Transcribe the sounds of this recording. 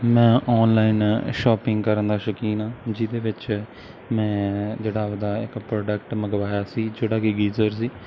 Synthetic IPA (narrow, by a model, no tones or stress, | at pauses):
mɛ̃ːʔɔːnlaːɪnʃɔːpɪ̃ŋɡkəɾənd̪aːʃəkiːnãːd͡ʒɪd̪eːʋɪt͡ʃ | mɛ̃ːd͡ʒeːɽaːd̪aːɪkpɾoːɖək̚ʈməɡʋaːjaːsiːd͡ʒeːɽaːkɪɡiːzəɾs̬iː